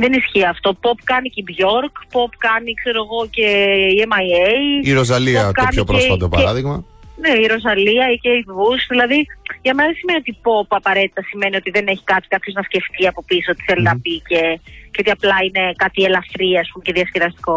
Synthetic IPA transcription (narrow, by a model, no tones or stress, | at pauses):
ðenisçiɐft̪o̞po̞pkɐnicibʝo̞ɾkpo̞pkɐnikse̞ɾoɣo̞ce̞iemɐjejiɾoz̬ɐlipɐtkoɐniopɾoesfɐopɐ̰eɾɐðiɣmɐ | neiɾo̞zɐliɐiceivusðilɐðiʝɐme̞nɐðesime̞niot̪ipo̞pɐpɐɾe̞t̪i̥t̪ɐsime̞nio̞t̪iðene̞çi̥kɐt̪i̥kɐt̪ço̞znɐsce̞ft̪iɐpo̞pissot̪i̥θe̞linɐpice̞ceo̞t̪iɐplɐine̞kɐt̪ielɐfɾiɐːspumce̞ðiɐstiɾɐst̪i̥ko̞